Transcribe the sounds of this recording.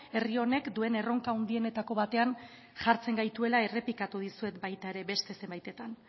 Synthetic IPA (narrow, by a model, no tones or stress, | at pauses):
e̞rio̞ne̞kd̪ue̞ne̞ro̞ŋkaund̪ie̞ne̞t̪ako̞β̞at̪e̞an | ʝaɾt͡se̞ŋɡajt̪ue̞lae̞re̞pikat̪uð̞isue̞t̪bajt̪ae̞ɾe̞βe̞st̪e̞se̞mbajt̪e̞t̪an